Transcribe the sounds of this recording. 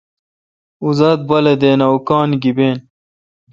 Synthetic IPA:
uzɐd̪̚bɐled̪eːnɐwkɑːnɡibeːn

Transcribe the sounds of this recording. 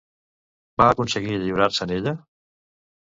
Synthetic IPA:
baːkunsəɣiʎiβɾaɾsəneʎə

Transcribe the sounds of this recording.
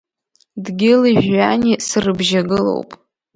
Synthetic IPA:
dɡʲɪliʒanisɨrɨbʒaɡɨlo̞̰wpʼ

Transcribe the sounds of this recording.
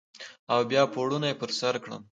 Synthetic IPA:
awbjɑpoɽunajepəɾsaɾkɽə̰m

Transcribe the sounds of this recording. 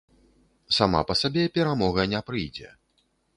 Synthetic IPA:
sama̰pɐsabʲɛpʲɛɾamɔɣɐnʲɛpɾɨjd͡zʲɛ̰

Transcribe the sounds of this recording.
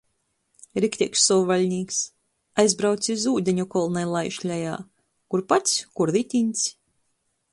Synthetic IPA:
ɾikt̪ʲiksːɔvalʲnʲiːks | ajzbɾawt̪sizuːd̪ʲeɲʲukɔlˠnajlˠajʃlʲaja̰ː | kuɾpat̪sʲkuɾðit̪ʲinʲt̪sʲ

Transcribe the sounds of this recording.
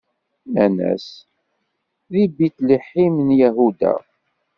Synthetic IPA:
ænæ̰s | ðibit̪liħimnjæɦud̪æ̰

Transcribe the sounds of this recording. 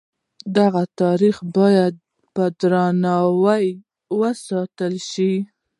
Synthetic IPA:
d̪aɣat̪ɑɾixbɑjad̪̚ | pəd̪ɾɑnɑwaj | wəsɑt̪əlʃi

